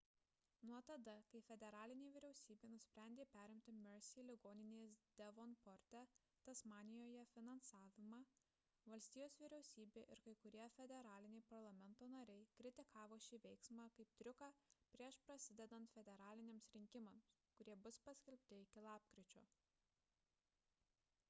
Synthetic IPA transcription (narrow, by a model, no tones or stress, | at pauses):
nuɔt̪ɐd̪ɐkɐɪfʲɛd̪ʲɛɾɑːlʲɪnʲeːʋʲɪɾʲɛʊsʲiːbʲeːnʊsʲpʲɾʲæˑnʲd̪ʲeːpʲæːɾʲɪmʲt̪ʲɪmʲɛɾsʲilʲɪɡoːnʲɪnʲeːsd̪ʲɛʋɔnpɔɾʲt̪ʲɛ | t̪ɐsmɑːnʲɪjoːjɛfʲɪnɐnsɑːʋʲɪmɑː | ʋɐlʲsʲt̪ʲiːjoːsʋʲɪɾʲɛʊsʲiːbʲeːʔɪɾkɐɪkʊɾʲiɛfʲɛd̪ʲɛɾɑːlʲɪnʲɛɪpɐɾlˠɐmʲɛnt̪oːnɐɾʲɛɪkɾʲɪt̪ʲɪkʰɑːʋoːʃʲɪʋʲɛɪksmɑːkɐɪp̚t̪ʲɾʲʊkɑːpʲɾʲiɛʃpɾɐsʲɪd̪ʲɛd̪ɐnt̪fʲɛd̪ʲɛɾɑːlʲɪnʲeːmsɾʲɪŋʲkʲɪmɐms | kʊɾʲiɛbʊspɐsʲkʲɛlʲpʲt̪ʲɪɪkʲɪlˠɑːpkɾʲɪt͡ʃʲoː